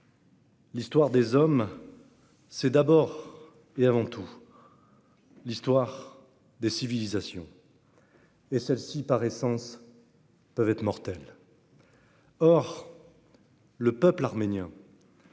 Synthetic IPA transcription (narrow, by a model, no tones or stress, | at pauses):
list̪waʁd̪ezɔm | sɛd̪abɔʁ | eavɑ̃t̪ʰu | list̪waʁ | d̪esivilizasjɔ̰̃ | esɛlsipaʁesɑ̃s | pœvɛt̪χmɔʁt̪ɛl | ɔʁ | ləpœplaʁmenjɛ̃